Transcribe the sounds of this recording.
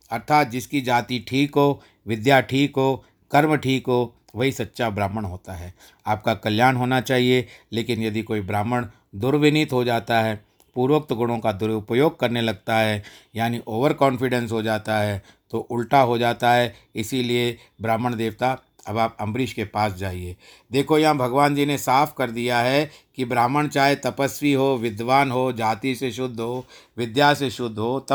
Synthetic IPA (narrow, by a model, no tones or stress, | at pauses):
ɐɾt̪ʰaːt̪̚d͡ʒɪskid͡ʒaːt̪iʈʰiːkɦoː | ʋɪd̪jaʈʰiːkɦoː | kɐɾməʈʰiːkɦoː | ʋɐɦisɐtːʃabɾaːməɽ̃ɦoːt̪aɦɛː | aːp̚kakɐljaːnɦoːnat͡ʃaːɦieleːkɪnjɐd̪ikoːibɾaːməɽ̃ | d̪ʊɾʋɪnɪt̪ɦod͡ʒaːt̪aɦɛː | puːɾʋək̚t̪ɡʊɽ̃õkad̪ʊɾʊpəjoːɡ̚kɐɾnelɐɡ̚t̪aɦɛːjaːniʔoːʋəɾkɔ̃ːnfɪɖɛ̃nsɦod͡ʒaːt̪aɦɛː | t̪oʔʊlʈaɦod͡ʒaːt̪aɦɛ | ɪsilie | bɾaːməɽ̃d̪eːʋt̪a | ɐbaːpɐ̃mbɾɪʃkepaːs̬d͡ʒaːɦieː | d̪eːkʰojɐɦãbʱɐɡʋaːnd͡ʒiːnesaːpʰkɐɾd̪ijaɦɛkibɾaːməɽ̃t͡ʃaːɦet̪ɐpəsʋiɦoːʋɪd̪ʋaːnɦoːd͡ʒaːt̪iseʃʊd̪ʱːɦoːʋɪd̪jaːseʃʊd̪ʱɦoːt̪